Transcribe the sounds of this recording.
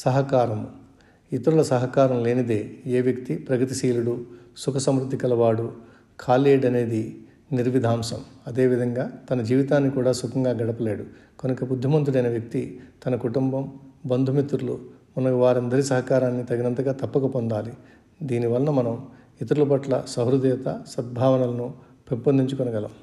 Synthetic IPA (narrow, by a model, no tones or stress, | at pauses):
sɐɦɐkaːɾɐmu | it̪ɐɾulɐsɐɦɐkaːɾɐmle̞ːnid̪e̞ːeːʋjɐkt̪ipɾɐɡɐt̪isiːluɽusukɐsɐmɾud̪ʱːikɐlɐʋaːɽu | kʰaːleːɽɐne̞ːd̪i | niɾʋid̪ʱaːmsɐmɐd̪e̞ːʋid̪ʱɐŋɡaːt̪ɐnɐd͡ʒiːʋit̪aːnːikuːɽaːsukɐŋɡaːɡɐɽɐpɐleːɽukonikɐbud̪ʱːɐmɐnt̪uɽɐjnɐʋjɐk̚t̪it̪ɐnɐkuʈumbɐmbɐnd̪ʱumit̪ɾulumɐnɐʋaːɾɐnd̪ɐɾisɐɦɐkaːɾaːnːit̪ɐɡinɐnt̪ɐɡaːt̪ɐpːɐkɐpond̪aːli | d̪iːniʋɐlɐnɐmɐnɐm | it̪ɐɾulɐp̬ɐʈlɐsɐɦɾud̪ijɐt̪ɐsɐd̪̚bʱaːʋɐnɐlɐnu | pempɐnd̪ʱiɲt͡ʃukonɐɡɐlɐm